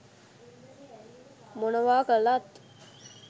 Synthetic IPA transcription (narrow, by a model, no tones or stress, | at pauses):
monəʋaːkəlat̪